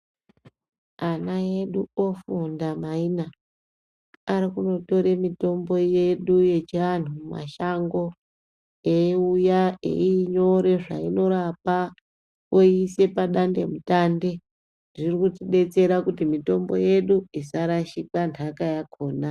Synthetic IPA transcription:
anae̞ɗuofundamaina | aɾikuno̞to̞ɾe̞mito̞mbo̞je̞ɗuje̞t͡ʃian̤uuma̰ʃaŋɡo̞ | eujaḛiːɲo̞ɾe̞ʐa̰ino̞ɾapa | oiːse̞paɗande̞̰mutaːnde̞ | ʐirikutiɗe̞t͡se̞ɾakutimito̞mbo̞̰je̞ɗuisaɾaʃikantʰakajakʰo̞ːna

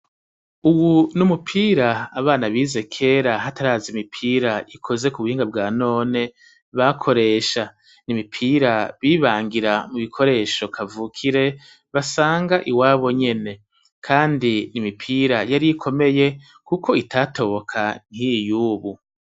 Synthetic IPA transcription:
uwunumupʰiːɾaːβaːnaβiːze̞kʰe̞ːɾaɦataɾaːzimipʰiːɾaikʰo̞ze̞kuβuhiːŋɡabɡaːno̞ːne̞ | βakʰo̞ɾe̞ːʃa | nimipʰiːɾaβiːβaːŋɡiɾamuβikʰo̞ɾe̞ʃo̞kʰavuːkʰiɾe̞ | βasaːŋɡaʔiwaːβo̞ɲe̞ne̞ | kʰaːndinimipʰiːɾajaɾikʰo̞me̞je̞ | kukʰo̞itaːtʰo̞βokʰan̥hijuːβu

